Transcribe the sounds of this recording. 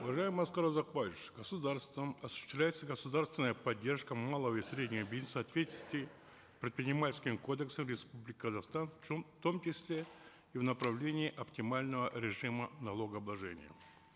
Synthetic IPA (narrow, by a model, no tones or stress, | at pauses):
ʊvɐʐajɪmɨɐskqaɾozakvaɪʂɡəsʊd̪arst̪vəmɐsʊ̥ɕɪ̥st̪vlʲæjɪt̪səɡəsʊd̪arst̪vʲɪnəjəpɐdʲːe̞rʂkəmalˠəvəisʲɾʲedʲnʲɪvəbʲizʲnəsəɐt̪vʲetʲɪlə̥st̪vʲɪ | pɾʲɪt̪̚pɾʲɪnʲɪmalʲskʲɪmko̞d̪əksəmɾʲɪspublʲɪkʲɪkəzaχst̪anft̪o̞mt͡ɕɪsʲlʲe | ivnəpɾɐvlʲenʲɪːʔɐptʲɪmalʲnəvəɾʲɪʐɨmənɐlˠo̞ɡəɐblˠɐʐɛ̰nʲɪjə̰